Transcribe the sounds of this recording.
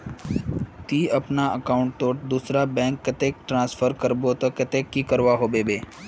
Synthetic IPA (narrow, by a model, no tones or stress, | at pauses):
t̪iːəpnaəkaʊɳʈ̚t̪oːʈ̚d̪usɾabɛ̃ːŋkːət̪eːk̚ʈɾãːsfʰəɾkəɾbot̪əkət̪ekːiːkəɾʋaɦoːbebeː